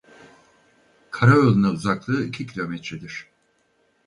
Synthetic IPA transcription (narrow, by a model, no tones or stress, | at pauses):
kʰaɾaølˠinauzaklˠɯːicʰicʰilʲo̞mɛt̪ɾɛd̪iɾ̝̥